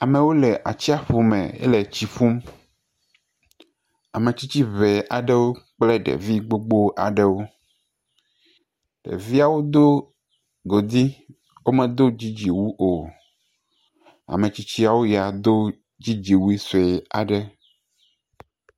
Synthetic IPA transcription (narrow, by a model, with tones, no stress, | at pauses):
a˨mɛ̃˨wo˦lɛ˨ʔa̰˨t͡ɕi˦a˨ɸu˨mɛ̰̃˨ḛ˦le˨t͡ɕi˨ɸu˦m | a˨mẽ˨t͡ɕi˦t͡ɕi˦βɛ˨ʔa˨ɖɛ˦wo˦k͡plɛ˦ɖɛ̰˨vi˦ɡ͡bo˦ɡ͡bo˦ʔa̰˨ɖɛ˦wo˦ | ɖ̥ḛ˨vi˦a˨wo˦d̪o˦ | ɡo˨d̪i˦ | wo˦mɛ̃˨d̪o˦d͡ʑi˦d͡ʑi˨wu˦ʔo˨ | a̰˨mẽ˨t͡ɕi˦t͡ɕi˦a˨wo˦ja˨d̪o˦ | d͡ʑi˦d͡ʑi˨wu˦i˦se˨a̰˨ɖɛ˦